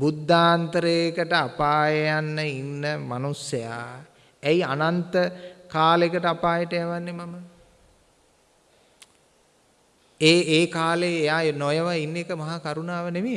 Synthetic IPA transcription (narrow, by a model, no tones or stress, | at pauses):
bud̪ʱːaːnt̪əɾeːkəʈəapaːjəjanːəinːəmanusɐja̰ | æianant̪əkaːlekəʈəapaːjəʈəjaʋanːemamə | eːeːkaːleːjanojəʋainːekəmaɦakaɾunaːʋənemeː